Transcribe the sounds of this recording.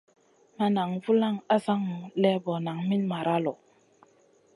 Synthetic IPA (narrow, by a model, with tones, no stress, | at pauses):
ma˨na˨ŋvu˦la˦˨ŋa˦sa˦ŋ˨lɛ˦bɔ˨na˨ŋmi˦nma˨ɾa˦lɔ˨